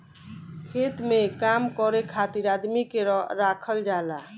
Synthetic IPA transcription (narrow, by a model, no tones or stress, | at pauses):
kʰet̪mekamkɔɾekʰat̪iɾad̪mikeɾɾakʰəld͡ʒala